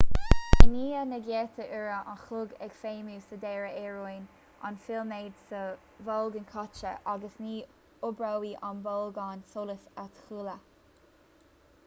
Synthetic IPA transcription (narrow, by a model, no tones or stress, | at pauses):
əniːənəɡjɛːt̪ʰəʔɪɹəʔa̰nxʊɡɛ̰ɡ̥feːmuːsəd̪ɛːɹəɛɹujn | a̰nfɪlmeːd̪sə | vɔlɡənkʰɔt͡ʃə̰ʔaɡəsniː | ʊbɹawiːʔanbɔlɡansoləsat̪xuːlə